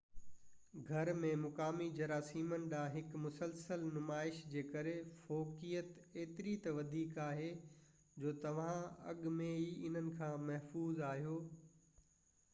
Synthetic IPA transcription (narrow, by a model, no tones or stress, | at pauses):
ɡʱɐɾmẽmʊkaːmid͡ʑɐɾaːsiːmənɪ̆ɗãːɦɪkmʊsəlsəlnʊmaːɪʃd͡ʑeːkɐɾefoːkijət̪ | eːt̪ɪɾit̪ɐʋɐd̪ʱiːkaːɦeː | d͡ʑoːt̪ɐʋ̤ãɐ̰ɠmẽiɪn̤ənɪ̆kʰãːmɐɦfuːzaːɦijoː